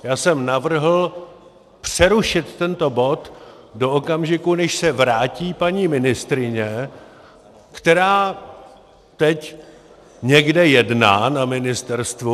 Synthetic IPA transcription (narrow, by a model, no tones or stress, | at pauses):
jaːsɛmnavr̩ɦl̩ | pr̝̥ɛɾuʃɪt̪ːɛnt̪o̞bo̞t̪ | do̞ʔokamʒɪkunɛʃsɛvɾaːciːpaɲiːmɪnɪst̪ɾɪɲɛ | kt̪ɛɾaː | t̪ɛc | ɲɛɡdɛjɛdna̰ːnamɪnɪst̪ɛɾst̪vu